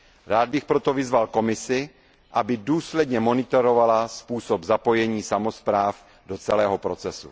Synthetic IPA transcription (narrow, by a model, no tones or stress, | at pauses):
ɾaːd̪̚bɪxpɾo̞t̪ovɪzvalko̞mɪsɪ | ʔabɪduːslɛdɲɛmo̞nɪt̪oɾovalaspuːsobzapo̞jɛɲiːsamospɾaːf | dot͡sɛlɛːɦopɾo̞t͡sɛsṵ